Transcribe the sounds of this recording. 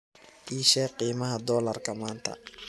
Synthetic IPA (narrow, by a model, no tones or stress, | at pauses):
ʔiʃɛːqiːmɐɦɐd̪ɔːlɐrkʰɐmaːnt̪ʰɐ̰